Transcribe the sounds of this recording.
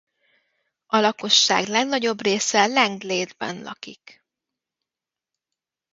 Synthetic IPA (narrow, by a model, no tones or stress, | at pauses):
ɒlɒko̞ʃːa̰ːɡlɛɡnɒɟo̞breːsɛlɛŋɡleːd̪bɛ̰nlɒ̰kik